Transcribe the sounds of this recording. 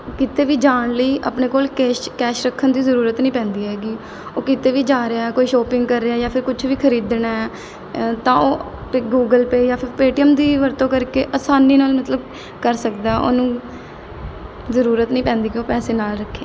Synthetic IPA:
kɪt̪eːʋiːd͡ʒaːɳləiːʔə̰pneːkoːlkɛːʃkɛːʃɾəkʰːənd̪iːzəɾuːɾət̪nĩːpɛ̃ːnd̪iːɦɛːɡiː | oːkɪt̪eːʋiːd͡ʒaːɾeaːɛːkoːiːʃoːpɪ̃ŋɡkəɾːeaːjaːpʰɪɾkʊt͡ʃʰʋiːkʰəɾiːd̪ɳaːɛː | t̪ãːoː | pɡuːɡəlpeːjaːpʰɪɾpeːʈiəmd̪iːʋəɾt̪õːkəɾkeːʔəsaːniːnaːlmət̪ləb | kəɾsəkd̪aːo̰ːnũː | zəɾuːɾət̪nĩːpɛ̃ːnd̪iːkioːpɛːseːnaːlɾəkʰːeː

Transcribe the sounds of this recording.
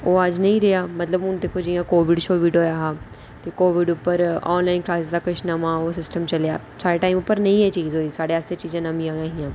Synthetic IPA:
oːəd͡ʒnɐ̃ĩːɾɪɦaːmɐt̪ləbʊnd̪eːkʰod͡ʒiːjãkoːʋɪɖʃoːʋiːɖoːjaːɦaː | t̪eːkoːʋɪɖʊpːəɾɔ̰ːnlaːɪnklaːsɪsd̪aːkɐʃnamãːoːsɪsʈəmt͡ʃɐlja̰ː | saːeʈaːɪmʊpːəɾnɐĩːɦɛt͡ʃiːzoːiːsaːɽeaːst̪ʰet͡ʃiːd͡ʒãːnamĩjãːãːɦijãː

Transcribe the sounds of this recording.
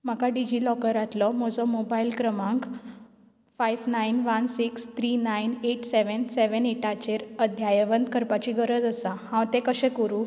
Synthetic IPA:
m̤akaɖid͡ʑilɔkəɾat̪lɔm̤ɔd͡zɔmobajilkɾəmãŋk | fajʋnainʋansikst̪ɾinaineʈsɛʋənsɛʋəneʈat͡ɕeɾəd̪ʱjajʋənd̪kəɾpat͡ɕiɡəɾəd͡zəsahãʋt̪ɛ̃kəɕɛ̃kəɾu

